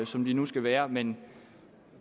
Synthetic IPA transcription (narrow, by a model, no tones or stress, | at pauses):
sɒ̽md̥inusɡ̥æʋæːɐmen